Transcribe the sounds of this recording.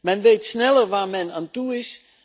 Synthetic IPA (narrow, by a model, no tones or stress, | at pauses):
mɛnʋejtsnɛləɹʋaːɹmɛnaːntuɪs